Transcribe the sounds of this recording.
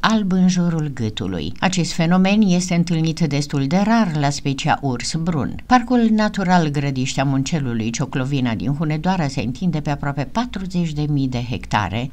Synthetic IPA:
albɨnʒoɾulɡɨt̪ṵlṵjat͡ʃe̞st̪fe̞no̞me̞nje̞st̪e̞ɨnt̪ɨlnit̪d̪e̞st̪uld̪e̞ɾarlaspe̞t͡ʃia̰ʔursbɾṵnparkulnat̪uɾalɡɾəd̪iʃt̪eamunt͡ʃe̞lulujt͡ʃo̞klo̞vinad̪ḭnxune̞d̪oaɾase̞ɨ̰nt̪ʰind̪e̞pe̞apɾoape̞pat̪ɾuze̞t͡ʃʲd̪e̞mijd̪e̞ɦḛkt̪a̰ɾe̞̰

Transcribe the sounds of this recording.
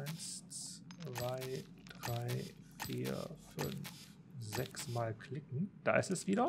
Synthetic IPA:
ɪnst͡sv̥aɪ | d̥ʁaɪ | fḭːɐfʏ̰nf | zɛksmaːlkʰl̥ɪkŋ̩d̥a̰ːʔɪ̰stɛsv̥iːɾɐ

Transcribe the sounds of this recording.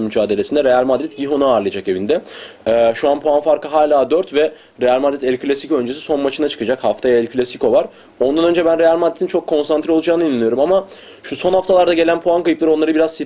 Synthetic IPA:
myd͡ʒaːd̪elʲesind̪ɛɾe̞jalʲmad̪ɾɛt̪ɟiɦonuaːɾlˠɯjad͡ʒake̞vind̪ɛɛːʃuanpʰoanfaɾkɯɦaːlʲaːd̪øɾt̪vɛ | ɾe̞jalʲmad̪ɾit̪ɛlʲkʰlʲasikʰoø̞nd͡ʒesi̥so̞nmat͡ʃʰɯnat͡ʃʰɯ̥kɯd͡ʒakhaft̪ʰajaɛlʲkʰlʲasiko̞vaɾ | o̞nd̪anø̞nd͡ʒɛbænɾe̞jalʲmad̪ɾet̪ʰint͡ʃʰo̞kʰːo̞nsant̪ɾio̞lˠud͡ʒaːnɯinʲːenijo̞ɾumama | ʃuso̞nhaft̪ʰalˠaɾd̪aɟe̞lʲænpʰoankajɯplˠaɾo̞nˠaɾɯbiɾazsi

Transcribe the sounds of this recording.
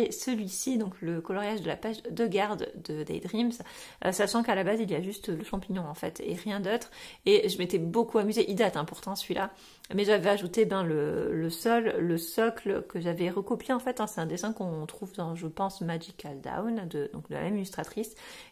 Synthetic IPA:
esəlɥisid̪ɔ̃kləkɔlɔʁjaʒd̪əla̰paʃd̪əɡaʁd̪d̪əd̪a̰jd̪ʁims | ø̰saʃɑ̃kalabaziliaʒyst̪ləʃɑ̃piɲɔ̃ɑ̃fɛ̰t̪ḛʁjɛ̃d̪ot̪χeʒəmet̪ɛbokuamyzeʔid̪at̪ɛ̃pɔʁt̪ɑ̃səlɥilʔa | mɛʒavɛaʒut̪ebjɛ̃lələsɔlːəsɔkləkəʒavɛʁəkɔpjeɑ̃fɛt̪ɛ̃sɛt̪ɛ̃d̪esɛ̃kɔ̃t̪χuvd̪ɑ̃ʒəpɑ̃smaʒikald̪a̰wnd̪əd̪ɔ̰̃k̚d̪ə̰la̰mɛmilyst̪χat̪χis

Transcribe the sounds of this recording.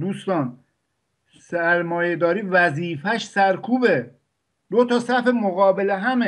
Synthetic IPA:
d̪uːst̪ɒːn | sæɾmɒːjed̪ɒːɾiːvæziːfæʃsæɾkʰuːbe | d̪̥ot̪ʰɒːsæfemoɣɒːbeleɦæme

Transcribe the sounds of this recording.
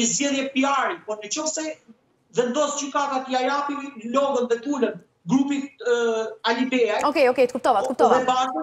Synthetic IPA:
əzd͡ʑɛðjɛpiaɾipɔnət͡ɕɔfsɛ | ðɛnd̪ɔsd͡ʑykat̪at̪iajapilɔmənðɛt̪ulən | ɡɾupi | alibɛaɔkɛjɔkɛjt̪əkup̚t̪ɔvat̪əkupt̪ɔvɛbat

